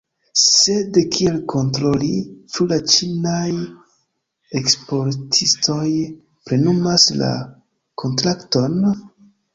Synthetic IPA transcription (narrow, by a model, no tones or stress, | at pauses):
se̞dkʰielkʰo̞ntɾo̞lit͡ʃulat͡ʃinaj | ekspo̞ɾtʰisto̞j | pɾe̞numasla̰ | kʰo̞ntɾakto̞n